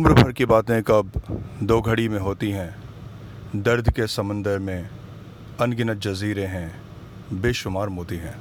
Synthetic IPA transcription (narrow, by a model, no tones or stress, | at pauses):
ʊmɾbʱɐɾkibaːt̪ẽkɐbd̪oːɡʱəɽimẽɦoːt̪iɦɛ̃ | d̪ɐɾd̪ʱkesɐmə̃nd̪əɾmẽ | ɐnɡɪnət̪̚d͡ʒɐziːɾeɦɛ̃ | beːʃʊmaːɾmoːt̪iɦɛ̃ː